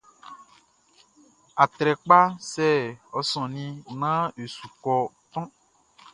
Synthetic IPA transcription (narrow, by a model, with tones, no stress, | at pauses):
a˨t̪ɾɛ˨k͡pa˦sɛ˦ɔ˨sɔ̃˨nĩ˦nã˦e˨su˨kɔ˨t̪ɔ̃˦